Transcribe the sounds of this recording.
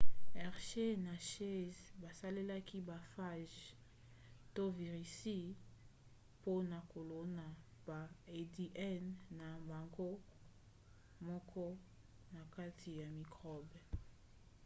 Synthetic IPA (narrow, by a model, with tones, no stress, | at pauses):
ɛ˨ʁʃe˦na˨ʃe˦zba˨sa˦le˦la˦ki˦ba˨fa˦ʒ | to˦vi˨ʁi˨si˦ | po˦na˨ko˨lo˦na˨ | ba˨e˨di˨ʔɛ˦nːa˨ba˨ŋɡo˦ | mɔ˦kɔ˦ | na˨ka˦tʰi˨ja˨mi˨kʁɔ˦b